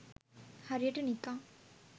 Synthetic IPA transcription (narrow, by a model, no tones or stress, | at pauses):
haɾeʈənikã